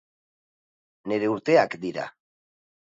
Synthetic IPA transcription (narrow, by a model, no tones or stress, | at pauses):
ne̞ɾe̞uɾt̪e̞akd̪iɾa̰